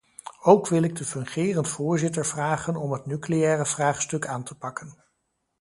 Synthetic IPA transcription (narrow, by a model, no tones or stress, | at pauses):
owkʋɪlɪɡ̚dəfɵŋχɪːrəntfʊːɹzɪtəɹv̥raːχənɔmɦətnyklejɛːrəv̥raːχstɵkaːntəpɑkən